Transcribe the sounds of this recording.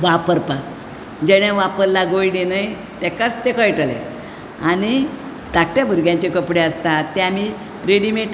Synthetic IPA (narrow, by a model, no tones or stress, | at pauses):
ʋapəɾpak̚ | d͡ʑɛɽ̃ẽʋapəɾlaɡojɖenəj | t̪ɛkat͡st̪ekəjʈəlḛ | añi | d̪akʈjabʱəɾɡjãɲt͡ɕekəpɽeəst̪at̪ːeami | ɾeɽimeʈ